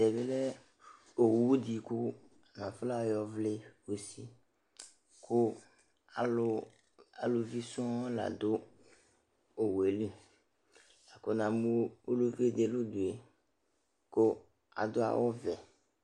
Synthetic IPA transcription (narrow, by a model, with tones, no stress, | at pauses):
de˨be˦le˦ | o˨wu˦u˦d̪i˨ku˦ | a˨nã˨fla˦˨jɔ˦vle˦wo˨si˦ | kʰo˦˨˦ | a˨lo˨vi˦sũ˦la̰˨d̪o˦ | o˨we˨li˦ | a˨ko˦nã˨mũ˦o˦lo˦ve˦d̪e˨lo˦d̪u˨e˨ | ko˦ | a̰˨d̪o˦a̰˨wʔɔ˦vɛ˨